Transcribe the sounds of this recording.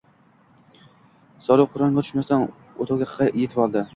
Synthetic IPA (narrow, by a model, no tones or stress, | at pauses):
sɒɾʊwqʰʊɾɑnmat̪ʰʊ̥ʃmasan | ot̪ʰowɡʲaqʰɑjet̪ʰɪpɒlˠd̪ɪ